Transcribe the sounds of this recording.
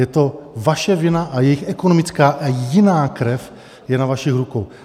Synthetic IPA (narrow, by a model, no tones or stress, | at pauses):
jɛt̪o̞vaʃɛvɪnaʔajɛjɪxʔɛkonomɪt͡skaːʔajɪnaːkɾɛf | jɛnavaʃixɾukow